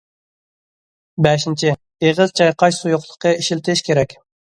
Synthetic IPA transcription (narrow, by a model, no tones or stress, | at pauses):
bɛʃint͡ʃʰɪ | eʁɨzt͡ʃʰɑjqʰɑʃsujʊχlˠə̥qʰəiʃilt̪ʰɪʃkʲeɾɛkʲ